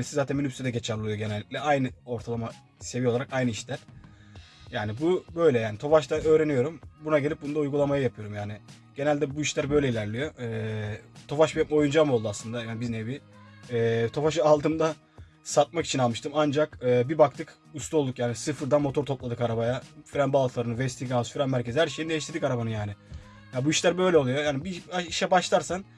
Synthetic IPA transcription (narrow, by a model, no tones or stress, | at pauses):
nisizaːt̪ʰænminʲypsed̪ɛɟet͡ʃʰaɾlˠɯjo̞ɟe̞nælʲːiclʲɛajnɯo̞ɾt̪ʰalˠama | se̞vijolˠaɾakajnɯiʃlʲæɾ̥ | jaːnibubø̞jlʲɛjaːnit̪ʰo̞faʃt̪ʰanø̞ːɾe̞nijo̞ɾumbunaɟelʲip̚bund̪aujɡulˠamajɯjapʰɯjo̞ɾumjaːni | ɟ̥e̞nælʲd̪ɛbuiʃlʲæɾbø̞jlʲɛilʲæɾlʲijo̞ɛt̪ʰo̞faʃbɛt̪mɛo̞jund͡ʒamo̞lˠd̪uaslˠɯnd̪ajanbiznebi | ɛːt̪ʰo̞faʃ̬alˠt̪ʰɯmd̪a | sat̪̚maki̥t͡ʃʰinalˠmɯʃt̪ʰɯmand͡ʒakɯːbibakt̪ʰɯk | ust̪ʰuo̞lˠd̪ukjaːnisɯfɯɾd̪anmo̞t̪ʰo̞ɾt̪ʰo̞plˠad̪ɯkaɾabajafiɾænbalˠt̪ʰlˠaɾɯnɯvɛst̪ʰiɡasfiɾanmæɾcʰe̞zihæɾʃejinid̪eiʃt̪iɾd̪ikaɾabanɯnjaːnɪ | jabuiʃlʲæɾbø̞jlʲɛolˠujo̞jaːnibiaiʃɛbaʃlˠaɾsan